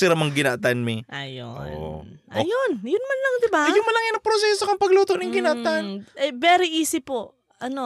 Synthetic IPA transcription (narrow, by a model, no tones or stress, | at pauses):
sɪɾɐmɐŋɡɪnaʔt̪anmɪʔajo̰ | ʔjonjʊnmɐnlɐŋd̪ɪbajʊŋmɐlɐŋajnɐpɾosɛːsokɐŋpɐɡluːt̪oʔnɐŋɡɪnaʔt̪anʔɛbɛːɾɪʔiːsɪpoʔ | ʔɐno